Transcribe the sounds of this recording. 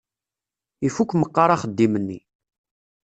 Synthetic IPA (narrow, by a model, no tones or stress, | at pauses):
ifukʷːməqːɑɾˤaχəd̪ːimənːḭ